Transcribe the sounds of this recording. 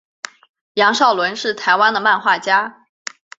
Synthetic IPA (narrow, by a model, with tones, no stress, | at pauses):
jɑ˧˥ŋʂɑ˥˩ʊlwə˧˥nʂɻ̩˥˩t̪ʰa˧˥ɪwa˥nd̪ə˨ma˥˧nxwa˥˩t͡ɕja˥